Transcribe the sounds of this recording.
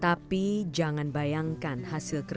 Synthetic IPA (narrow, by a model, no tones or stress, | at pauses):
t̪apid͡ʒaŋanbajaŋkanhasɪlkər